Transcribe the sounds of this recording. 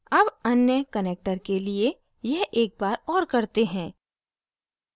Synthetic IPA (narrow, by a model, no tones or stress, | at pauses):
ɐbɐnjəkɐneːk̚ʈəɾkelie | jɛɦʔeːk̚baːɾɔːɾkɐɾt̪eɦɛ̃ː